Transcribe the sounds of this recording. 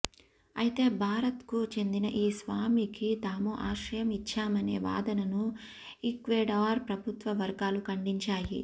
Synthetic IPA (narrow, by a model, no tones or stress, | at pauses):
ɐjit̪e̞ːbʱaːɾɐt̪kut͡ʃe̞nd̪inɐʔiːsʋaːmikit̪aːmuʔaːʂɾɐjɐmit͡ʃːaːmɐne̞̰ːʋa̰ːd̪ɐnɐnu | ikʋeːɖaːɾpɾɐbʱut̪ʋɐʋɐɾɡaːlukɐɳɖiɲt͡ʃaːjḭ